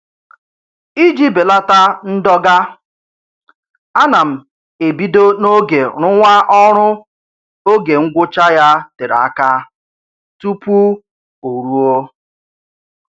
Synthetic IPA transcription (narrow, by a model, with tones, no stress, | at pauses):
i˦d͡ʒi˦be˨la˦ta˦n̩˦dɔ˦ɡa˦ | a˦na˨m̩˨ | e˨bi˦do˦no˦ɡe˨ɾʊ˦ŋʷa˦ʔɔ˦ɾʊ˦ | o˦ɡe˨ŋ̩˦ɡʷʊ˦t͡ʃa˦ja˦te˨ɾa˦ka˦ | tu˦pu˦ | o˨ɾu˦o˦